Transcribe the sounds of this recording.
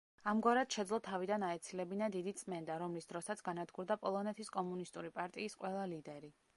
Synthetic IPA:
amɡwaɾad̪̥ʃɛd̪zlˠɔt̪ʰavid̪anaɛt̪sʰilɛbinad̪id̪it̪sʼmɛnd̪aɾɔmlisd̪ɾɔsat̪sʰɡanad̪ɡuɾd̪apʼɔlˠɔnɛt̪ʰiskʼɔmunist̪ʼuɾipʼaɾt̪ʼiːsqʼwɛlˠalid̪ɛɾi

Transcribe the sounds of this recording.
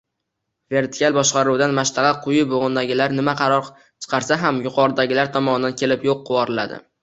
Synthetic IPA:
ve̞ɾt̪ʰɪ̥kʲalbɒʃqɑɾuwd̪anmaʃlɑʁɑqʰʊjɪboʁʊnd̪aɡʲɪlaɾnɪmaqʰɑɾɒɾ | t͡ʃʰɨ̥qʰɑɾsaɦamjʊqʰɒɾɪd̪aɡʲɪlaɾt̪ʰɒmɒnɪd̪ankʲʰe̞lɪpjoqʰːʊwɒɾɪla̰d̪ɪ̰

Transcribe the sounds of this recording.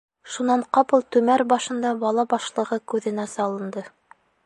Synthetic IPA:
ʃunɑɴqɑpɤlˠt̪ʉmæɾbɑʃɤ̆nd̪ɑbɑlˠɑbɑʃlˠɤ̆ʁɤkʉðɘ̆næsɑlˠɤ̆nd̪ɤ

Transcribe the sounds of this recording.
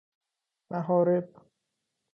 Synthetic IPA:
maɦɔːɾeb

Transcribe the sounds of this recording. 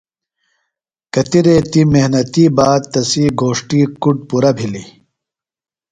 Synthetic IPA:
kɐt̪iɾeːt̪imeɦnɐt̪iːbaːd̪̚t̪ɐsiːɡʱoːʂʈiːkuɖ̚puɾɐbʱilḭ

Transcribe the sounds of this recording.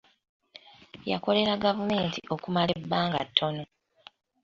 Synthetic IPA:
ja̰ko̞le̞ɾaɡavume̞ːntiʔo̞kumale̞bːaːŋɡa̰tʰːo̞no

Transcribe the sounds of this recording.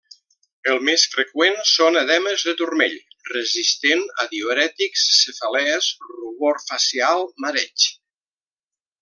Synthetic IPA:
əlˠmesfɾekwensonəðɛməzðət̪uɾmḛʎrəzist̪enə̰ðioɾɛt̪iksːefalɛzruβoɾfasialˠməɾɛt͡ʃ

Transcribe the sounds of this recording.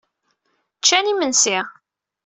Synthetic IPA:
t͡ʃːænimənsɪʁ

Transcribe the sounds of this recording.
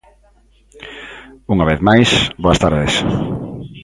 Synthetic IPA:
uŋaβeθmajsboɐst̪aɾðes

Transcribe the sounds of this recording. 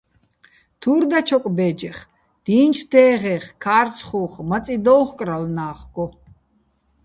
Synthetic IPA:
t̪ʰuɾd̪at͡ʃʰɔkʼbɛːd͡ʒɛχ | d̪̥iːnt͡ʃʰd̪ɛːʁɛχkʰaːɾt͡sʰχuːχmat͡sʼid̪ɔwχkʼɾalnaːχɡɔ

